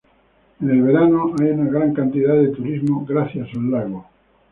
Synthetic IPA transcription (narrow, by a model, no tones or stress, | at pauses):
ene̞lβ̞e̞ɾanoajunaɣ̞ɾaŋkant̪iðaðet̪uɾizmoɣɾaθjasalːaɣo